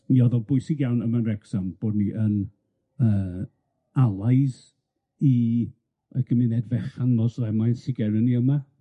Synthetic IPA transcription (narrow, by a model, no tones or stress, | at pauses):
iɔðɔbʊɨsɪɡjawnəmanrɛɡsamb̥oːdniʔən | əː | alˠaɨs | i | əɡəmɪnɛdvɛχanlˠɔslɛmajnsɪɡɛɾəniəma